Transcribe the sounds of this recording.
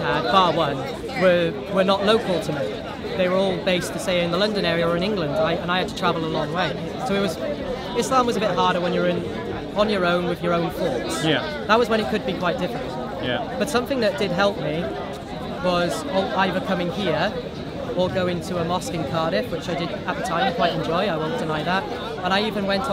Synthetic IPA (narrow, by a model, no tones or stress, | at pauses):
əb̥ɑɹwʌ̃n | wə | wə˞nəʔloʊkʰəl̩ˠtʰəmi | ðeɪwə˞ɔlˠbeɪstʰɨseɪɨ̃nðəlʌ̃ndɨ̃ñɛɹiəə˞ɨ̃ñɪ̃ŋɡlə̃ndaɪɨ̃ñaɪɨd̚tʰətʰɹ̥ævəl̩ˠəlɔ̃ŋweɪ | soʊɨt̚wʌz | ɪslɑ̃mwʌzəbɪt̚ɦɑɹɾə˞wə̃njə˞ɪ̃n | ə̃njə˞õʊ̃nwɨðjə˞õʊ̃nfɔɹtsj | ðəʔ̚wʌzwə̃nɨt̚kʰɨd̚bikʰw̥aɪt̚d̥ɪfɹɨ̃nt | jb̥ʌtsʌ̃mθɪ̃ŋðɨt̚d̥ɪd̚ɦɛlˠp̚mi | wʌz | əaɪðə˞kʰʌmɪ̃ŋhiəɹ | əɡoʊɪ̃ŋtʰuəmɑskɪ̃ŋkʰɑɹɾɪfwɪt͡ʃaɪdɨdət̪̚ətʰãɪ̃mkʰwaɪɾɨ̃nd͡ʒɔɪaɪwõʊ̃d̥ɨnaɪðət̚ | ə̃ñaɪivə̃nwɛ̃ntʰ